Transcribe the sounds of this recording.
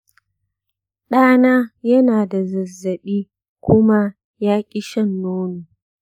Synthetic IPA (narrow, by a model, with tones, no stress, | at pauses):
ɗaː˦naː˦jɐ˦naː˨da˨zɐ˨zːɐ˨ɓiː˦ | kʷʊ˦ma˦ | jaː˦kʲʼɪ˦ʃɐ˦˨nːoː˦nuː˨